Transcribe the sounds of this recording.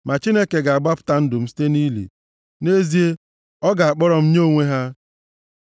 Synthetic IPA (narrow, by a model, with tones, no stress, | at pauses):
mʔa˨t͡ʃi˦ne˦ke˨ɡa˨a˨ɡ͡ba˦pʊ̥˦ta˨n̩˦dʊ˨m̩˦si̥˦te˦niː˦lḭ˨ | ne˦zi˦e˦ | ɔ˦ɡa˨a˨k͡pɔ˦ɾɔ˨m̩˦ɲo˦˨ŋʷe˦ɦa˦